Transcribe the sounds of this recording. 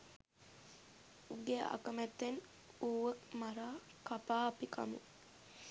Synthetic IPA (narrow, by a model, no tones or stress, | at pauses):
uɡeʔa̰kəmæt̪ːen | uːʋəkmaɾaː | kapaːɐpikʰa̰mṵ